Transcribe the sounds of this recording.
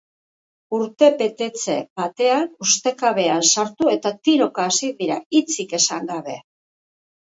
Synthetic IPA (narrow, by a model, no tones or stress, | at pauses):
uɾt̪e̞pe̞t̪e̞t͡se̞̰bat̪e̞anust̪e̞kaβe̞ansaɾt̪ue̞t̪at̪iɾo̞kaːsiðiɾait͡sike̞saŋɡaβe̞